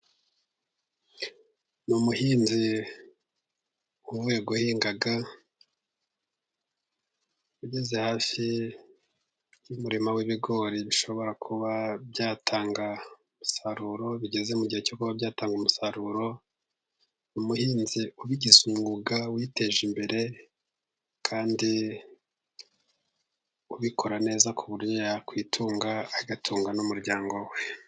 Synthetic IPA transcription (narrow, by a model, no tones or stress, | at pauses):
numuhiːnzi | uβwe̞ːɡohiːŋɡaɡa | uɟezehaːfi | jumuɾimawiβiɡo̞ːɾiβiʃo̞βo̞ɾakʰuβabɟaːtʰaːŋɡa | musaɾuːɾo̞βiɟe̞zemuɟihecokuβabɟaːtaːŋɡumusaɾuːɾo̞ | numuhiːnziuβiɟizumuɡawite̞ʒimbe̞ɾe̞ | kʰaːndi | uβikʰo̞ɾane̞ːzakʰuβuɾjojakwiːtʰuːŋɡaːɡatʰuːŋɡanumuɾɟaːŋɡo̞we